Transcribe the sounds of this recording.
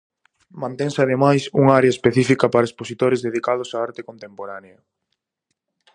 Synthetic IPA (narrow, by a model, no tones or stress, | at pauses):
mãnt̪eŋsɪaðemajsuŋaaɾeɐespeθifikɐpaɾɐesposit̪oɾezðeðikað̞ʊsaaɾt̪e̥kont̪empoɾaneɐ